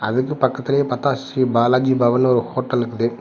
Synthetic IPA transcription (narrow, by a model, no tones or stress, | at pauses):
ɐ̰ðɯkːɯpɐkːɐt̪ːɪlɐjepɐt̪ːaːsibaːlaːd͡ʒibɐʋɐnɔɾɯhoːʈːɐlɯkːɯðe